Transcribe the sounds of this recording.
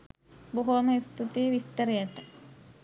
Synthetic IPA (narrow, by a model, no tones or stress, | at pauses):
buɦoməist̪ut̪iːʋist̪əɾəjət̪ə